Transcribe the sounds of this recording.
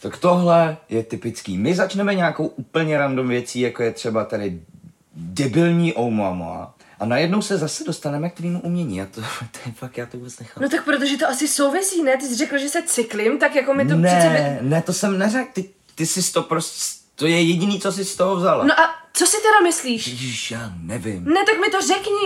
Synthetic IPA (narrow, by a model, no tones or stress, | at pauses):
t̪akt̪o̞ɦlɛjɛt̪ɪpɪt͡skḭːmɪzat͡ʃnɛmɛɲaːko̞wʔuːpl̩ɲɛɾandomvjɛt͡siːjako̞jɛt̪r̝̥ɛbat̪adɪ | dɛbɪlɲiːʔowmoa̰mo̰a̰ | ʔanajɛdno̞wsɛzasɛdo̞st̪anɛmɛk̚t̪viːmuʔumɲɛɲḭːat̪ot̪ɛɛfaktjaːt̪ovuːbɛt͡snɛxanot̪ak̚pɾot̪̬oʒɛt̪oʔasɪso̞wvɪsiːnɛt̪̬ɪs̬rɛkl̩ʒɛsɛt͡sɪklɪmt̪akjakomɪt̪oniɛɛnɛt̪osɛmnɛrɛk̚t̪ɪ | t̪ɪsɪst̪opɾoscɛt̪ojɛjɛɟɪniːt͡so̞s̬ɪst̪oɦovzalo̰noʔat͡sosɪt̪ɛdamɪsliːʃʃjaːnɛvɪmnɛt̪akmɪt̪o̞rɛkɲi